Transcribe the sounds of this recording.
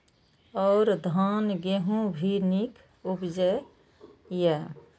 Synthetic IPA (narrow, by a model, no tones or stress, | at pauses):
ɔːɾd̪ʱaːnɡeɦũbʱinik | ubd͡ʒə | jɛ